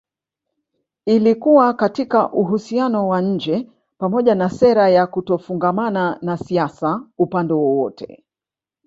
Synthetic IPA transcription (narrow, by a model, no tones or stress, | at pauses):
ilikuwakatikaʔuɦusianɔwaɲ̩d͡ʒɛ | pamɔʄanasɛɾajakutɔfuŋɡamananasiasaupandɛwɔwɔtʰɛ̰